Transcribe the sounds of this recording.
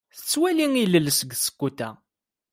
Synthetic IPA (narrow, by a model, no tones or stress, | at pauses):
θə̥t͡sːwæliŋiləlsəɡsə̥kːut̪æ̰